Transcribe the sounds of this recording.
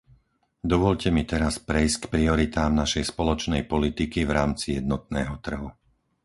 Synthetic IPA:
d̪ɔʋɔʎcɛmit̪ɛɾaspɾɛjsckpɾiɔɾit̪aːmnaʃɛjspɔlɔt͡ʃnɛjpɔlit̪ikivɾaːmt͡sijɛd̪̚nɔt̪̚nɛːɦɔt̪r̩ɦu

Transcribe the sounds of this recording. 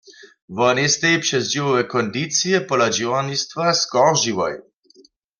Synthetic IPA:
vɔnist̪ɛjpʃɛzd͡ʒivɔvɛkɔnd̪it͡sijɛpɔlad͡ʒiwanist̪vaskɔʁʒiwɔ̰j

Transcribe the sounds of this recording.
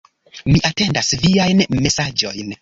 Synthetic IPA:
miʔate̞ndasviajnme̞sad͡ʒo̞jn

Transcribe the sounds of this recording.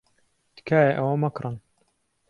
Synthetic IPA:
d̪̥kʰaːjeʔɐwɐmɐkɾɨn

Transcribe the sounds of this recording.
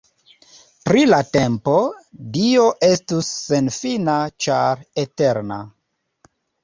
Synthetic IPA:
pɾilate̞mpo̞dio̞ʔe̞stusːe̞nfinat͡ʃaɾete̞ɾna̰

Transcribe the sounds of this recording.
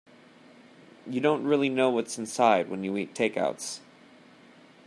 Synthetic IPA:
jɨdõʊ̃nʔ̚ɹɪlˠinoʊwʌtsn̩saɪd̚wə̃njɨitʰeɪka̰ʊts

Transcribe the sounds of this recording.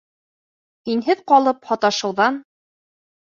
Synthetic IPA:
hinɦɘðqɑlˠɤphɒt̪ɑʃɤ̆wðɑn

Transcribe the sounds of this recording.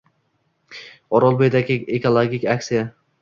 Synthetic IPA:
ɒɾɒlˠbojd̪aɡʲɪekolˠoɡʲikʲaksija

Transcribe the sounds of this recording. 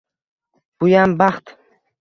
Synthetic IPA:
b̥ʊjambaχt̪

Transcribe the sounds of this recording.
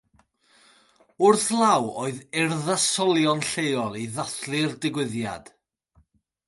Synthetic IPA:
ʊrθlˠawoːɨðɪrðasɔlˠjɔnɬejɔlˠiðaθlˠɨrdɪɡwɪðja̰d̥

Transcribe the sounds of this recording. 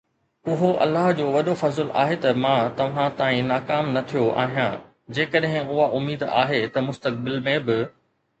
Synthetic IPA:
ʊɦoʔɐ̰lːaːɦd͡ʑoːʋɐɗofɐzəla̰ːɦet̪ɐmãːt̪ɐʋ̤ãt̪aːĩnaːkaːmnɐt̪ʰijoʔa̰ːɦijã | d͡ʑeːkəɗɦɪ̃ʊɦaʔʊmːiːd̪a̰ːɦet̪ɐmʊst̪ək̚bɪlmẽbɪ

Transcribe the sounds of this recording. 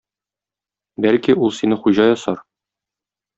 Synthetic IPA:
bælkiulˠsinɘχuʑɑjɒsɑɾ

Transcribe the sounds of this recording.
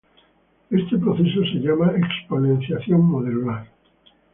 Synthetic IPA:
e̞st̪e̞pɾoθe̞so̞se̞ʎamaeksponẽn̟θjaθjo̞ŋːoðeluaɾ

